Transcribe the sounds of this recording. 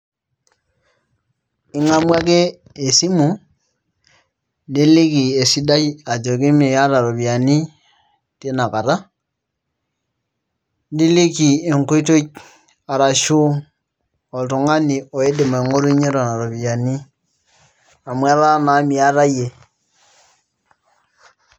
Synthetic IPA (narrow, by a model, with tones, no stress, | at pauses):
i˦ŋa˦mwa˦keː˦˨ | si˦mu˨ | di˦li˦ki˨e˨si˦da˦ja˨d͡ʒo˨ki˦mi˨ja˦ɾa˨ɾo˨bi˨a˨ni˦ | te˦na˨ka˨ɾa˦ | ndi˦li˦ki˨e˨ŋ˨ko˦i˦to˦ | a˨ɾa˨ʃu˦ | ɔ˨to˨ŋa˦ni˨ɔ˨e˦de˨ma˨e˨ŋo˦ɾu˦ɲe˦ɾɔ˨na˨ɾo˨βi˨ja˨ni˦ | a˨mwa˦ɾa˦na˨˦mi˨a˦ɾa˦je˨